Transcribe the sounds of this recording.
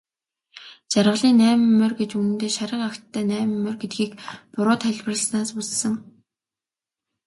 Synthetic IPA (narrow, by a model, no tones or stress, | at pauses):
t͡ɕarʁə̆ɮiːnːæːmɘ̆mːɵrɡet͡ɕunɘ̆nt̪eːʃaɾə̆qakt̪ʰːæːnæːmɘmːɵ̆rɡet̪̚ɡiːkpʊɾʊːt̪χæɮʲpə̆rə̆snaːspusːə̆ŋ